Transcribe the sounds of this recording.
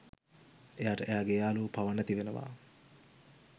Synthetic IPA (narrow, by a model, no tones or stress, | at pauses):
ejaːʈəʔejaːɡejaːluːpaʋənæt̪iʋenəʋa̰ː